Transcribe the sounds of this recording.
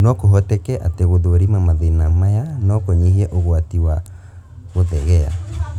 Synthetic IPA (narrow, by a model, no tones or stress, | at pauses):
nɔkoɦɔtɛkɛʔateɣoðoɾimamaðenamajanɔkoɲehiɛʔoɣwatiwa | ɣoðɛɣɛa̰